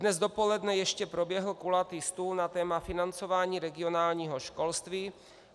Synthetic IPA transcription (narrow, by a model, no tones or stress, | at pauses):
dnɛzd̪opolɛd̪nɛjɛʃcɛpɾobjɛɦl̩kulat̪ist̪uːlnat̪ɛːmafɪnant͡sovaːɲiːɾɛɡɪonaːlɲiːɦoʃkolst̪viː